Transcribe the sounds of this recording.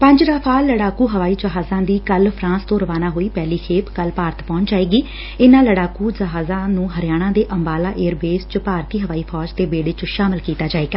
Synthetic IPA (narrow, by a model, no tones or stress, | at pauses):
pə̃ɲd͡ʒɾaːpʰaːlːəɽaːkuːɦəʋaːiːd͡ʒəɦaːzãːd̪iːkəlpʰɾãːst̪õːɾəʋaːnaːɦoːiːpɛːliːkʰeːpkəlpaːɾət̪pɔ̃ːɲd͡ʒaːeːɡiː | ɪnãːləɽaːkuːd͡ʒəɦaːzãːnũːɦəɾɪjaːɽ̃ãːd̪eːʔəmbaːlaːʔeːɾbeːst͡ʃəpaːɾt̪iːɦəʋaːiːpʰɔːd͡ʒt̪eːbeːɽeːt͡ʃʃaːmɪlkiːt̪aːd͡ʒaːeːɡaː